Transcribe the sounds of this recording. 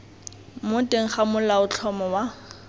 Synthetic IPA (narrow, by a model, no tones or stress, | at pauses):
mʊtʼeŋ̩χamʊlaʊt͡ɬʰɔmɔwa